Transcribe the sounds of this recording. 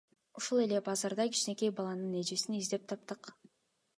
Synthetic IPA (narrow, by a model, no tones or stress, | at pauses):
uʃulˠe̞le̞bɑzɑɾd̪ɑkʲi̥t͡ʃne̞kʲejbɑlˠɑnɯne̞d͡ʒesinizd̪e̞p̚t̪ʰɑpt̪ɯq